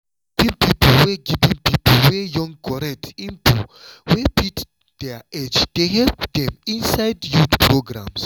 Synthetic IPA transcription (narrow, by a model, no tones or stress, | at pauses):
tĩnpiplwɛɡivĩnpipəlwɛjɔ̃ŋkʰɔɹɛk̚tĩntʰuwepʰit | d̥ɛed͡ʒd̥eɦɛpdɛ̃mĩnsajdjutpɹoɡɹã̰ms